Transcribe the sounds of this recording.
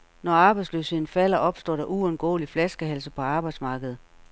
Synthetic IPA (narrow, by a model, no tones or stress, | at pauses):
nɒɑ̈ːb̥ɑ̈ɪdslø̰ːshe̝ð̞̰ˠn̩fæl̰ɐʔɒ̽b̥sd̥ɒ̰ːɾ̥ɑ̈ʔuɔ̽nɡ̥ɔ̰ːliflæsɡ̥əɦælsəpʰɒ̽ɑ̈ːb̥ɑ̈ɪd̥smɑ̈ːɡ̥əð̞̩ˠ